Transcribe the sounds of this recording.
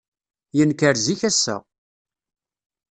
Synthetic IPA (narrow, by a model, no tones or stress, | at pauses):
jənkəɾziçæsːæ̰